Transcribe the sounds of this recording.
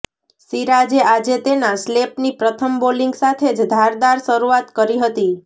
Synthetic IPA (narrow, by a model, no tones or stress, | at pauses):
siɾad͡ʒead͡ʒet̪enaslepnipɾət̪ʰəmboliŋɡsat̪ʰed͡ʒd̪ʱaɾd̪aɾʃəɾuat̪kəɾiɦət̪i